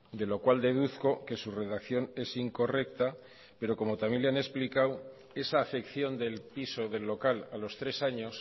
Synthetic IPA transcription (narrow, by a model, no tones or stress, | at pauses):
d̪e̞lo̞kwald̪e̞ð̞uθko̞ke̞sure̞ðakθjo̞ne̞siŋko̞re̞k̚t̪a | pe̞ɾo̞ko̞mo̞t̪amjeleane̞splikaw | e̞saːfe̞kθjo̞nd̪e̞lpiso̞ðe̞lːo̞kalalo̞st̪ɾe̞saɲo̞s